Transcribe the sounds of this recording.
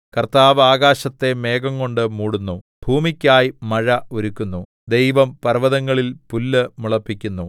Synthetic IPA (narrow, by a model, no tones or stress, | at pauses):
kɐrt̪aːʋaːɡaːɕɐt̪ːe̞me̞ːɡɐŋko̞ɳɖɨmuːɽunːu | b̥ʱuːmikʲːaːjmɐɻɐoɾukʲːunːu | d̪e̞jʋɐmpɐrʋɐðɐŋːɐɭilpulːɨmuɭɐpːikʲːunːu